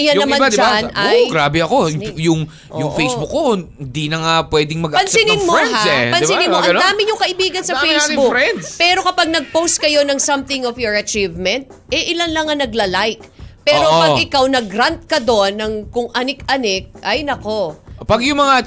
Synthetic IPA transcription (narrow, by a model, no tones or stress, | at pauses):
ʔɪjɐnj̪ɐmmãd̪ɪd͡ʒanɐooɡɾaːbɛɐko̞jʊŋ | ʔojʊŋfejsbukːond̪inɐŋapwɛːd̪ɪŋmɐɡʔɐpɐnsɪnɪnmoɛapɐnbɪnɪnoʔɐɡɐnd̪aːmɪɲʊŋkɐʔɪbiːɡɐnsɐfejsɪbuɾɛnd̪pɛːɾo̞kɐpɐɡ̚nɐɡ̚powst̪̚kɐjo̞nɐŋsɐmθɪŋofjoɹɐt͡ʃivmɛnt̪̚ʔɛʔɪlanlɐŋɐnɐɡlɐlajk̚pɛːɾopɐɡʔɪkawnɐɡɾant̪̚kɐd̪o̞nːɐŋkʊŋʔɐnɪkʔɐnɪk̚ʔɐjnɐko̞pɐɡjʊŋmɐŋa